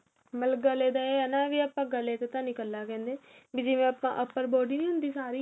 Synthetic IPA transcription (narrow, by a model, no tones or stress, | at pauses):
mələk̚ɡəleːd̪aeənaːʋiːəpːãːɡəleːt̪ːt̪ãːnɪkəlːaːkɛ̃ːnd̪eːbiːd͡ʒɪʋẽːəpã̰ːʔəpːəɾboːɖiːnĩːɦʊ̃nd̪iːsaːɾiː